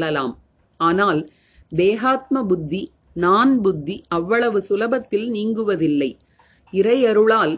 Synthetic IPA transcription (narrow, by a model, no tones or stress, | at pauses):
ɐla̰ːm | aːnaːl | d̪eːɣaːt̪̚mɐbʊd̪ːi | naːnbʊd̪ʱːiɐʋːɐɭɐʋɯsʊlɐbɐt̪ːɪlniːŋɡɯʋɐðɪlːɐɪ | ɪɾɐjɐɾɯɭaːl